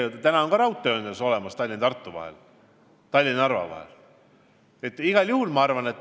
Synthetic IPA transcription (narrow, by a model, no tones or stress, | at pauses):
ot̪t̪ænɑoŋɡ̥kɑɾɑwt̪ːˑeøːnd̪eso̞lɛmɑst̪ɑlʲːinɑt̪ɑrt̪ːˑuvɑ̰hḛl | t̪ɑlʲːinɑɑrvɑ̰vɑ̰hḛl | et̪ːˑiɡ̥ɑljuhulmɑɑrvɑne̞t̪ː